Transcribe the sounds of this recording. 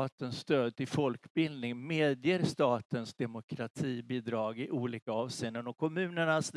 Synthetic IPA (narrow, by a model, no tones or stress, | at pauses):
t̪ənsːt̪øːd̪̚t̪ʰɪlfɔlkbɪld̪nɪŋmeːd̪jeɾst̪ɑːt̪ənsd̪ɛmʊkʰɾat̪ʰiːbiːd̪ɾɑːɡɪʔuːliːkaɑːvseːnənɔkʰɔmʉ̟ːnəɳasd̪